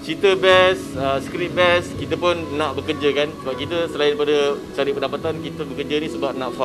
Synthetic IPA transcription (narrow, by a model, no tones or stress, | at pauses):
t͡ʃit̪əbɛsəskɾit̪̚bɛskit̪əpʊnːãʔbəkərd͡ʒəkansəbap̚kit̪əsəlaɪnpadət͡ʃaɾiʔpəndapat̪ankit̪əbəkərd͡ʒənĩsəbap̚nãʔfa